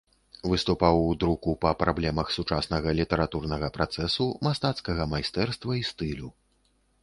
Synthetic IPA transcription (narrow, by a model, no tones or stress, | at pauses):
vɨst̪upawd̪ɾukupɐpɾablʲɛmɐxsut͡ʂasnɐɣɐlʲit̪ɛɾat̪urnɐɣɐpɾat̪sɛsumast̪at̪skɐɣɐmajst̪ɛrst̪vɐist̪ɨlʲu